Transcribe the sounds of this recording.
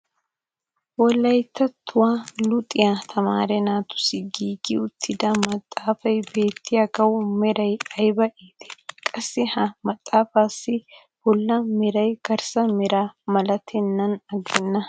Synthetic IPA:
wɔlːɐjt̪ːɐt̪ʰːʊwalʊt̪ʼɪjat̪ʰɐma̰ːɾɛnaːt̪ʊ̥sɪɡiːɡɪʊt̪ʰːɪd̪ɐmɐt̪ʼːaːfɐjbeːt̪ʰːɪjɐɡɐwʊmɛɾɐjɐjbɐʔeːt̪ɛ̥kʼɐsːɪhɐmɐt̪ʼːaːfaːsɪ | bɔlːɐmɛɾɐjɡ̥ɐɾsɐmɛɾaːmɐlɐt̪ʰɛnːɐnɐɡɛnːɐ

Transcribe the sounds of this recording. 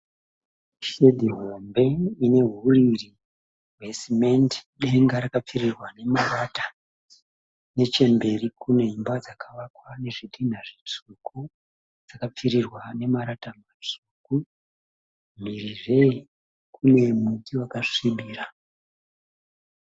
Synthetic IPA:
ʃe̞dʱiɦo̞mbe̞ine̞ɦuriri | we̞simendɗe̞ŋɡaɾakap͡fiɾirwane̞marata | ne̞t͡ʃe̞mbe̞rikune̞mbad͡zakʰaʋakwane̞ʐidin̤aʐit͡suku | d͡z̥akap͡fiɾirwane̞maɾatamat͡suku | m̤iriʐe | kʰune̞mikiwakaʂiɓiːra

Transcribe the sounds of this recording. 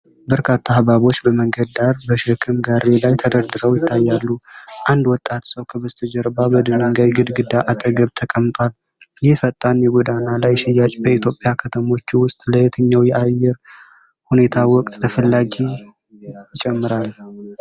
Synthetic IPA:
bəɾkʰat̪ʰːaːβaβo̞t͡ʃːbəməŋɡəd̪d̪aɾbəʃɪkʰɨmɡaɾe̞lajt̪ʰəd̪əɾd̪ɨɾəwjɪt̪ʰːajːalːuʔand̪wɔt̪ʼːat̪səwkʰəbəzt̪ʰəd͡ʒɛɾbabəd̪ɨnəŋɡajɡɨd̪ɡɨd̪aʔat̪ʼəɡəβt̪ʰəkʼəmt̪ʼwal | jɪfət̪ʼːanjɛɡʷɔd̪analajʃɪjːat͡ʃʼbəit̪ʰjo̞pʼːjakʰət̪ʰəmo̞t͡ʃːuwʊst̪ʼləjɛt̪ʰəɲːawjɛʔajːɛɾ | hune̞t̪ʰawɔkʼt̪ʼt̪ʰəfəlːaɡi | jɪt͡ʃʼɛmːɨɾal

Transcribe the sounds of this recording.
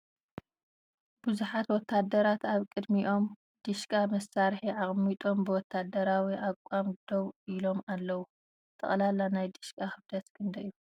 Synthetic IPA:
b̥ɨzuħat̪wɔt̪ʰːad̪ɐɾat̪aβkʼɨd̪miʔo̞m | d̪̥ɨʃkʼamɐsːaɾħiʔaχʼmit̪ʼo̞mbɨwɔt̪ʰːad̪ɐɾawiʔakʷʼamd̪̥oβilo̞malːɐwu | t̪ʰːɐ̰χʼlalanajd̪ɨʃkʼaxɨbd̪ɐt̪kʰɨnd̪ɐjːu

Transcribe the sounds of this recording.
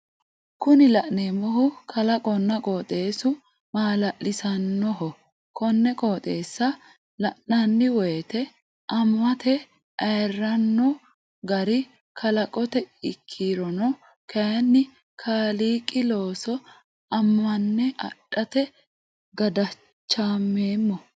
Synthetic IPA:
kʊnɪlɐʔneːmɔhʊkʰɐlɐkʼɔnːɐkʼoːt̪ʼe̞ːsʊ | maːlɐʔlɪsɐnːɔɦɔ | kʰɔnːɛkʼo̞ːt̪ʼeːsːɐ | lɐʔnɐnːɪwɔjɛt̪ɛ | ʔɐmːɐt̪ɛ | ʔɐjɛrːɐnːɔ | ɡɐɾɪ | kʰɐlɐkʼɔt̪ɛɪkʰːiːɾɔnɔ | kɐjɐnːɪ | kʰaːliːkʼɪlo̞ːsɔ | ɐmːɐnːɛɐ̰ɗːɐt̪ɛ | ɡɐd̪ɐ | t͡ʃːaːmːeːmːɔ

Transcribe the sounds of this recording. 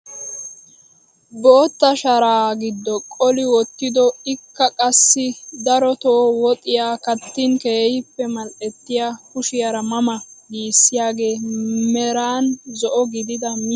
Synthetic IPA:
boːt̪ːɐʃɐɾaːɡɪd̪ːɔkʼɔlɪwɔt̪ːɪd̪ɔɪkːɐkʼɐsːɪd̪ɐɾɔt̪oːwɔt̪ʼɪjaːkɐt̪ːɪnkeːhɪpːɛmɐlʔɛt̪ːɪjakʊʃɪjɐɾɐmɐmɐɡiːsːɪjaːɡe̞ːmɛɾaːnzɔʔɔɡɪd̪ɪd̪ɐm

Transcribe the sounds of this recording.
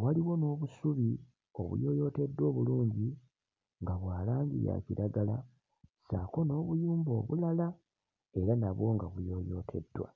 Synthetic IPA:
waliwo̞no̞ːβusuβi | o̞̰βṵjo̞ːjo̞te̞dːwo̞ːβuluːɲɟi | ŋɡaβwaːlaːɲɟḭja̰ciɾaɡala | saːko̞no̞ːβujuːmbo̞̰ːβulala | e̞ɾanaβwo̞ŋɡaβujo̞ːjo̞̰tʰe̞dːwa̰

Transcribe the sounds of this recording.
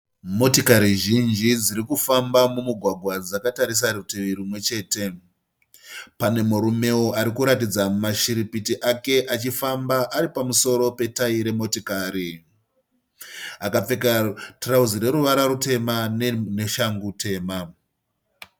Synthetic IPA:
mo̞tikaɾiʒind͡ʒid͡ziɾikufambamumuɡʱwaɡʱwad͡zakataɾis̬aruteʋiɾimwe̞t͡ʃe̞ːte̞ | pane̞muɾume̞wo̞ʔaɾikuɾatid͡zamaʃiɾipitiʔake̞ʔat͡ʃifambaʔaɾipamuso̞ɾo̞pe̞taiɾe̞mo̞tikaːɾi | akap͡fe̞katrauziɾe̞ɾuʋaɾaɾute̞manne̞ʃaŋɡute̞ːma

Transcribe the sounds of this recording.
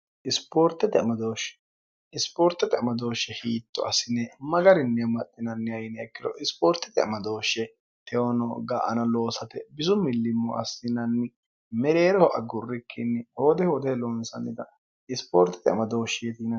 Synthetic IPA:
ʔɪspoːɾt̪ːɛt̪ɪɐmɐd̪oːʃɛ̥ | ɪspoːɾt̪ːɛt̪ɪɐmɐd̪o̞ːʃːɛhiːt̪ːɔ̰ɐsɪnɛmɐɡɐɾɪnːɛmɐt̪ʼːɪnɐnːɪɐjɪnɛɛkːɪd̪ɔ̰ʔɪspoːɾt̪ːɛ̥t̪ɪɐ̰mɐd̪o̞ːʃːɛ | t̪ʰɛɔnɔɡaːʔɐ̰nɐlo̞ːsɐt̪ɛbɪzʊmɪlːɪmːɔʔɐsːɪnɐnːɪ | mɛɾeːɾɛhɔʔɐɡʊrːɪkʰːɪnːɪhoːd̪ɛhoːd̪ɛlonsɐnːɪt̪ɐ | ɪspo̰ːɾt̪ːɛ̥t̪ɪɐ̰mɐd̪o̞ːʃːɛjɛt̪iːnɐ

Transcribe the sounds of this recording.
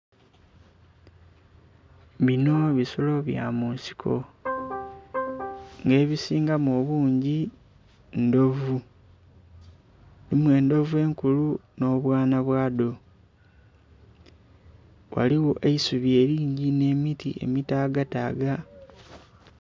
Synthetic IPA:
βino̞βisolo̞βja̰muːnsi̥kʰo̞̰ | ŋɡe̞ːβisiːŋɡamoːβuːɲɟi | ndo̞vu | nimwe̞ːndo̞vue̞ŋkuluno̞βwaːnaβwaːdo̞ | wa̰liwoʔeisuβje̞ːɾiːɲɟine̞ːmitḭʔe̞̰mitaːɡataːɡa

